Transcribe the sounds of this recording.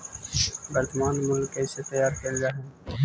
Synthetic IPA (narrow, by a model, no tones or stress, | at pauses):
bɐɾt̪maːnmʊlkːeset̪əjaːɾkeld͡ʒaːɦe